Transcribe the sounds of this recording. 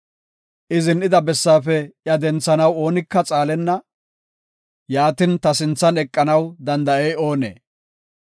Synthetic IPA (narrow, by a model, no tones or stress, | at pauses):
ʔɪzɪnɪd̪ɐbɛsːaːfɛjɐd̪ɛnt͡sːɐnɐwo̞ːnɪkːɐt͡sʼaːlɛnːɐ | jaːt̪ɪnt̪ɐsɪnt͡sːɐnɛkʼːɐnɐwd̪ɐnd̪ɐʔejo̞ːnḛː